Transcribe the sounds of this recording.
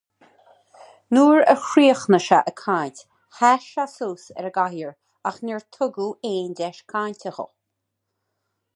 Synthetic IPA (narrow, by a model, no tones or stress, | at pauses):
nuːɹə̰xɾiːəxnəʃaʔəkʰaːntʲ | haʃasuːsɛ̰ɾəɡaɦjəɹ | axnɛɹt̪ʰʊɡueːndɛʃkʰaːntʰʲəxo̰